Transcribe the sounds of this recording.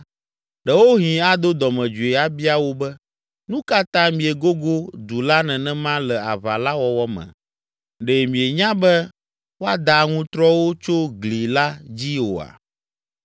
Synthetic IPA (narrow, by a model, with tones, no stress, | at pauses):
ɖɛ˨wo˦ɦĩ˨a˦d̪o˦d̪ɔ˨mɛ̃˨d͡ʒu˨e˨a˦bi˦a˦wo˦bɛ˦ | nũ˦ka˦t̪ã˦mĩ˨ɛ˨ɡo˦ɡo˦d̪u˨la˦nɛ̃˨nɛ̃˦mã˦lɛ˨a̰˨va̰˨la˦wɔ˨wɔ˦mɛ̰̃˨ | ɖɛ˨mĩ˨e˨ɲã˦bɛ˦ | wo˦a˦d̪a˨ŋũ˦t̪ɾɔ˦wo˦t͡ʃo˦ɡli˨la˦d͡ʑi˦wo̰˨a̰˨